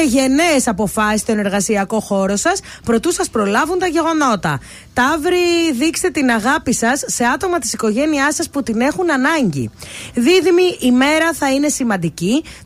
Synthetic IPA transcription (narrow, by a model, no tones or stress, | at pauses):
eʝe̞ne̞ːsɐpo̞fɐsist̪o̞ne̞ɾɣɐsiɐko̞xo̞ɾo̞sɐs | pɾo̞t̪usɐspɾo̞lɐvunt̪ɐʝe̞ɣo̞no̞t̪ɐ̰ | t̪ɐvɾiðikst̪et̪inɐɣɐpisɐsːe̞ɐt̪o̞mɐt̪isiko̞ʝe̞niɐsɐsput̪ine̞xunɐnɐɲɟḭðiðimiʔime̞ɾɐθɐine̞simɐnd̪ici